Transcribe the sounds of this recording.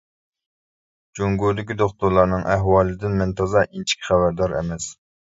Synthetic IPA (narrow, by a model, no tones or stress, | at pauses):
d͡ʒoŋɡud̪ɪkʲid̪oχt̪uɾlˠɑɾnɨŋʔæɦwɑːlˠɨd̪ɪnmɪnt̪ʰɑzɑʔint͡ʃʰi̥kʲʰχæbæɾd̪ɑɾɛ̰mɛs